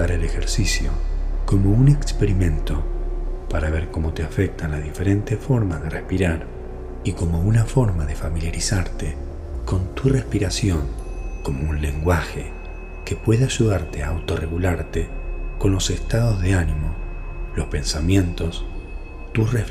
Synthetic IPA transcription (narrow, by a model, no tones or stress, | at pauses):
aɾelexeɾsisjo̞̰ko̞mo̞une̞kspeɾimẽ̞nt̪o̞paɾaβeɾko̞mo̞t̪eafek̚t̪anlazðife̞ɾe̞nt̪esfo̞ɾmazðe̞rʔespiɾaɾ | iko̞mo̞unafo̞ɾmaðe̞familjaɾisaɾt̪e | ko̞nt̪ure̞spiɾasjo̞ŋko̞mo̞unle̞ŋɡwaxe | ke̞pwe̞ðaaʒuðaɾt̪eaːwt̪o̞re̞ɣulaɾt̪eko̞nlo̞sest̪aðo̞zðeanimo̞lo̞spe̞nsamjẽ̞nt̪o̞s | t̪usref